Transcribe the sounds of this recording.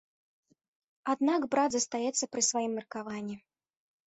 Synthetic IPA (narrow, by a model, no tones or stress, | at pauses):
ad̪naɡbɾad̪zɐst̪ajɛt̪sːɐpɾɨsvajimːʲɛrkavanʲːi